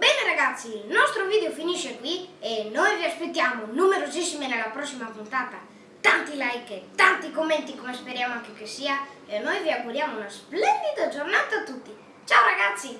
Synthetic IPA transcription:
bɛneɾaɣat̪sːilnɔst̪ɾʊvid̪eʊfiniʃekwienojviaspet̪ːjamʊnumeɾozisːimenalapɾɔsːimapunt̪at̪a | t̪ant̪ilajket̪ant̪ikomːɛnt̪ikomespeɾjamaŋk̟ekesia | enːojviaɡuɾjamʊunasplɛnid̪ad͡ʒoɾnat̪aːt̪ːut̪ːi | t͡ʃawɾaɣat̪sːi

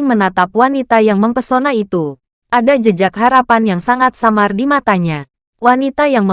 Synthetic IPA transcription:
ŋmənat̪ap̚wanit̪ajaŋməmpərsonait̪u | ʔadad͡ʒəd͡ʒakɦaɾapanjaŋsaŋat̪̚samardimat̪aɲa | wanit̪ajaŋmə

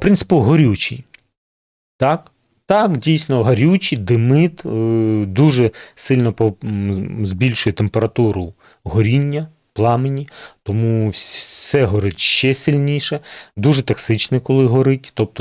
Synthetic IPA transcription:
pɾɪnsɪ̥pʊɦɔɾʲut͡ʃʲḭj | t̪ɑk | t̪ɑkdʲijsʲnɔɦɐɾʲut͡ʃid̪ɪmɪt̪ | d̪uʒɛsɪlʲnɔpɔ | zbʲilʲʃʊjɛt̪empeɾɐt̪uɾʊ | ɦɔɾʲinʲːɐ | plˠɑmenʲit̪ɔmusʲsɛɦɔɾɪtʲʃt͡ʃɛsʲilʲnʲiʃɛd̪uʒɛt̪ɐksɪt͡ʃnɪkɔlˠɪɦɔɾɪtʲt̪ɔp̚t̪ɔ

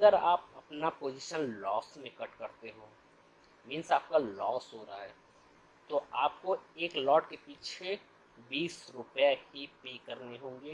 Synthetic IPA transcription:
ɐɡəɾaːp̚ɐpnapoːd͡ʒɪʃənlɔːsmẽkəʈkɐɾt̪eɦoː | mɪ̃nsaːp̚kalɔːsɦoːɾaaɦɛː | t̪oaːp̚koeːklɔːʈkepiːt͡ʃʰe | biːsɾʊpjaɦipeːkɐɾneɦõːɡeː

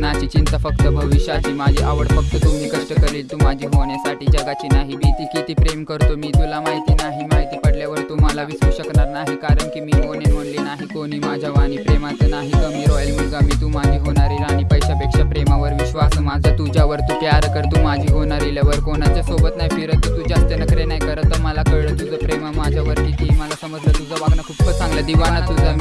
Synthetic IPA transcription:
nat͡ɕit͡ɕint̪əfəkt̪əbʱəʋiɕjaɦiːmad͡ʑʱiʔaʋəɽfəkt̪ət̪um̤iːkəʂʈəkəɾliːlt̪umad͡ʑʱiːɦoɳjasaʈiːd͡zəɡat͡ɕiːnaɦibit̪ikit̪iːpɾemkəɾt̪omiːt̪ulamaɦit̪iːnaɦimaɦit̪iːpəɽljaʋəɾt̪um̤alaʋisɾuɕəkɳaɾnaɦikaɾəɳkiːmiːkonenm̤əɽlinaɦikoɽ̃iːmad͡ʑʱaʋaɽ̃iːpɾemat͡senaɦikəmiːɾɔjəlmulɡamit̪umad͡ʑiːɦoɳaɾelaɽ̃ipəjɕapekʂapɾemaʋəɾʋiɕʋasəmad͡zʱat̪ud͡ʑʱjaʋəɾt̪ukjaɾkəɾt̪uːmad͡ʑʱiːɦoɳaɾiljaʋəɾkonat͡ɕjasobət̪naɦifiɾət̪ːut̪uːd͡ʑast̪ənəkɾenajkəɾət̪ːəməlakəɭət̪ud͡zəpɾemamad͡ʑʱjaʋəɾk̪it̪ʰiməlasəməd͡zlat̪ud͡zʱaʋaɡnakʰupkəsãŋɡlad̪iʋanat̪ud͡zʱa

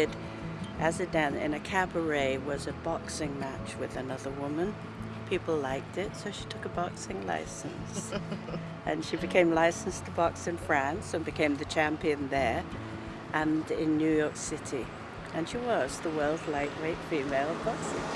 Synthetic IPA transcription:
ɪd | ʔɨzɨdæ̃nɪ̰̃nɨkʰæbə˞eɪwʌzɨbɑksɪ̃ŋmæt͡ʃwɨðɨnʌðə˞wʊmɨ̃n | pʰipl̩ˠlaɪk̚tɪtsoʊʃi̥tʰʊkəbɑksɪ̃ŋla̰ɪsɨ̃n̩s | ʔɨ̃nʃibɨkʰẽɪ̃mlaɪsn̩stʰəbɑksɨ̃nfɹæ̃nsɨ̃nbɨkʰẽɪ̃mðɨt͡ʃʰæ̃mpiɨ̃nðə˞ | ʔɨ̃nɪ̃nːjʉjɔɹksɪɾi | ɨ̃nʃiwʌzðəwɜ˞lˠdˡlaɪʔ̚weɪtfimeɪlˠbɑksɪ̰̃ŋ

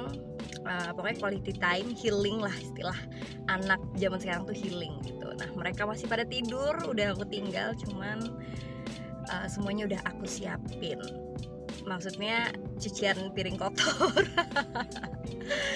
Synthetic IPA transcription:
ŋ | ʔəpakakwalit̪it̪aɪmhilɪŋlahist̪ilah | ʔanak̚d͡ʒamansəkaɾaŋt̪uhilɪŋɡḭt̪ṵna̰hməɾekamasɪhpadat̪idʊrudahakut̪iŋɡa̰lt͡ʃuman | ʔə̰səmuaɲaudaɦakusia̰pɪn | maksut̪̚ɲat͡ʃut͡ʃianpiɾɪŋkɔt̪ʰɔr

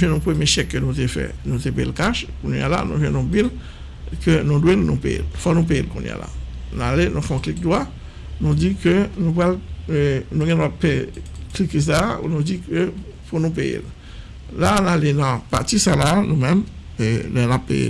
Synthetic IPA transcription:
nũvjɛ̃nɔ̃pχəmjeʃjɛkːənutefɛ̰nut̪epeelkaʃkunja̰la̰nṵvɛ̃nõbil | kənodwelnṵ̃pejḛlfwanũp̬eelkṵnj̰a̰la̰nalenũfɛ̃ɔ̃klik̚d̪wa | nũdikənũpal | nuɡɛ̃dapeklikes̬aṵnudikə | punup̬ejḛl | lanalenɑ̃pa̰t̪isalanumɛ̃m | elɛnapːḛjḛl

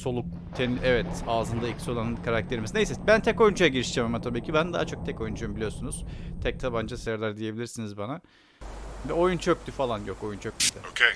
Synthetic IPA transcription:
so̞lˠuk̚ | t̪ʰeniʔɛvɛt̪aːzɯnd̪ailʲcsio̞lˠanɯnkʰaɾak̚t̪ʰe̞ɾimisinejsɛbænt̪ʰɛko̞jund͡ʒʰujaɟiɾiʃd͡ʒemamat̪ʰabiːcʰibænd̪aɦat͡ʃʰo̞k̚t̪ʰɛko̞jund͡ʒujumbilʲijo̞ɾsunuz̥t̪ʰɛc̚t̪ʰaband͡ʒasejaɾlʲˠæɾd̪ije̞bilʲiɾsinizbana | vɛo̞junt͡ʃʰøkt̪yfalˠanjo̞ko̞junt͡ʃʰøk̚lʲyid̪ɛokʰej

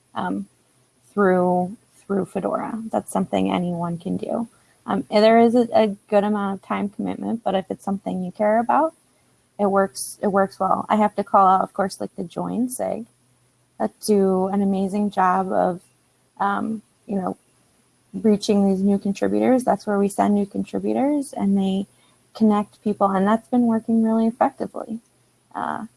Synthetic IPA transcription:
ʔʌ̰̃m | θɹʉ | θɹʉfɨdɔ̰ɹɨ̰ðætsʌ̃mθɪ̰̃ŋɛ̰niwʌ̃nkʰɨ̃ndʉ̰ | ʔʌ̰̃mɨðə˞ɪzɨʔɨɡ̥ʊɾɨmãʊ̃ñʌv̥tʰãɪ̃mkʰəmɪ̰t̚mɨ̰̃n̚b̥ʌɾɨfɨtsʌ̃mθɪ̃ŋjɨkʰɛɹɨbaʊt̚ | ɨt̚wɜ˞ksɨt̚wɜ˞kswɛ̰lˠa̰ɪɦæftɨkʰɔlˠaʊɾʌv̥kʰɔɹslaɪk̚ðɨd͡ʒɔ̰̃ɪ̃nsḛɡ̥ | d̥ɨɨ̃nɨmeɪzɪ̃ŋd͡ʒɑbʌ̰v̥ | ʔʌ̃m | jɨnoʊ | ɹit͡ʃɪ̃ŋðiznʉkn̩tʰɹ̥ɪ̰bjʉ̰ɾə˞zðætswə˞wisɛ̰̃nːʉkʰntʰɹ̥ɪ̰bjʉ̰ɾə˞zɨ̰̃nðeɪ | kʰɨnɛk̚t̚pʰipl̩ˠə̃nðætsb̥ɨ̃nwɜ˞kɪ̃ŋɹɪlˠiɨfɛk̚tɨ̰vlḭ | ʔʌ̰

